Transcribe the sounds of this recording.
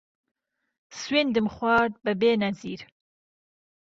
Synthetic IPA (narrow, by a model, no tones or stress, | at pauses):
swind̪ɨmχʷwɑːɾd̪̚bɨbeːnɐziːɾ